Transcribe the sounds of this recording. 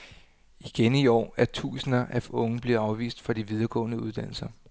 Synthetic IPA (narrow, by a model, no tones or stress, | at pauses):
iɡ̥eniɒ̰ːæɐt͡sʰṵːsənɐʔæɔ̽ŋəb̥liɐɑ̈ʊʋḭːsd̥fɑd̥iʋið̞ˠɐɡ̥ɔ̰̽ːnəuðˠd̥æn̰l̩sɐ